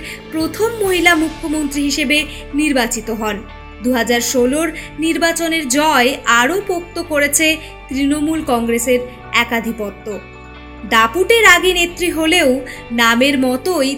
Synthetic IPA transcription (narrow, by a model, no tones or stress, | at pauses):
ɾpɾot̪ʰomːoɦilamukʰːomont̪ɾiɦiʃebe | niɾbat͡ɕit̪oɦɔn | d̪uɦad͡ʑaɾʃoloɾniɾbat͡ɕoneɾd͡ʑɔeaɾopok̚t̪okoɾet͡ɕʰe | t̪ɾinomulkɔŋɡɾeseɾ | ɛkad̪ʱipɔt̪ːo | d̪apuʈeɾaɡenet̪ːɾiɦoleo | nameɾmɔt̪oj